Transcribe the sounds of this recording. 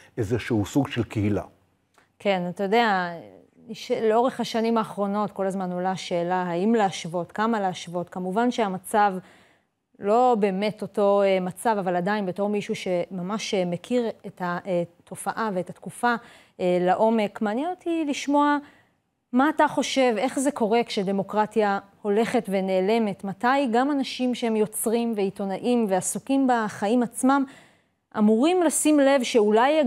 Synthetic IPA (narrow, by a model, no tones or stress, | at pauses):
ezeʃuhusuɡʃelkeɦila̰ | kʰe̞natajodea | iʃleo̞ʁe̞χhaʃanimaːχʁo̞no̞tko̞lazmano̞laʃe̞ːlaɦaimleaʃvo̞tkamaleaʃvo̞tkamuvanʃe̞amat͡sav | lo̞be̞ːme̞to̞to̞emat͡savavaladainbeto̞ʁmiʃuʃe̞mamaʃmekʰiʁetatʰo̞faʔave̞ːtatkufa | laʔo̞me̞kmaːnjenotʰiliʃmo̞a | maːtaχo̞ʃe̞ve̞χze̞ko̞ʁe̞kʃede̞mo̞kʁatjaho̞le̞χe̞tve̞ne̞ːle̞me̞tmatajɡamanaʃimʃeemjo̞t͡sʁimve̞ito̞naʔimve̞asukimbaχaimat͡smam | ʔamuʁimlasimle̞vʃe̞ulaj